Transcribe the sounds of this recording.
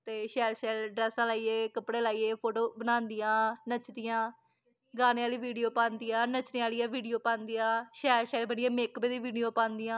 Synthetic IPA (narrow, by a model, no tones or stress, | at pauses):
t̪eːʃɛːlʃɛːlɖɾɛːsãːlaːiːeːkəpɽeːlaːiːeːpʰoːʈoːbənaːnd̪ɪjãːnət͡ʃd̪ɪjãː | ɡaːneːaːliːʋiːɖijoːpãːnd̪ɪjãːnət͡ʃneːaːlijaːʋiːɖijoːpãːnd̪ijãːʃɛːɾʃɛːlbəɳɪeːmeːkbeːd̪iːʋiːɖijoːpãːnd̪ɪjãː